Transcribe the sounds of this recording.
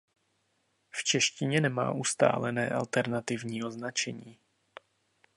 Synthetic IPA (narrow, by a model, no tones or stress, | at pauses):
ft͡ʃɛʃcɪɲɛnɛma̰ːʔust̪a̰ːlɛnɛːʔa̰lt̪ɛɾnat̪ɪvɲiːo̞znat͡ʃɛɲiː